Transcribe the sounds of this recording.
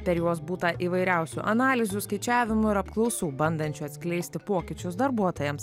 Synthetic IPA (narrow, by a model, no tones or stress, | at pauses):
pʲɛɾjuɔsbuːt̪ɐʔiːʋɐɪɾʲɛʊsʲuʔɐnɑːlʲɪzʲʊskɐɪt͡ʃʲæːʋʲɪmʊɪɾɐpklˠɒʊsuːbɐnd̪ɐnʲt͡ʃʲʊɐt̪sʲkʲlʲɛɪsʲt̪ʲɪpoːkʲɪt͡ʃʲʊsd̪ɐɾbuɔt̪oːjɛms